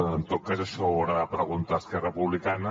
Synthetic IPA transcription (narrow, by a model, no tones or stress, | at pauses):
nt̪ot̪̚kazaʃɔoɾaðəpɾəɣunt̪aːskɛrəpuβlikanə